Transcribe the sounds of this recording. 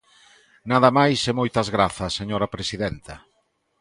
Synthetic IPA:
naðɐmajsemojt̪ɐzɣɾaθɐsːeɲoɾɐpɾesiðɛnt̪ɐ

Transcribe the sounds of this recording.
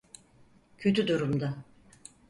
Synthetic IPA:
cʰø̞t̪yd̪uɾumd̪a

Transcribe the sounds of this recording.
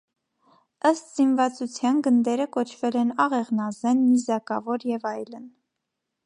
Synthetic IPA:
əst̪z̥invɑt͡sut͡sʰjɑnɡənd̪ɛɾəkɔt͡ʃʰvɛlɛnɑʁɛʁnɑzɛnmizɑkɑvɔɾjɛvɑjlən

